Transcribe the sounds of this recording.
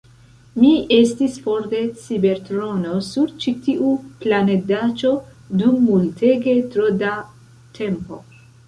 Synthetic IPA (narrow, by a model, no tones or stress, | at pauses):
miest̪isfoɾt̪e̞t͡sibeɾt̪ɾonosuɾt͡ʃit̪iʔuplaned̪at͡ʃo̞ | d̪umːult̪ʰeɡe̞t̪ɾod̪a | t̪ʰempo̰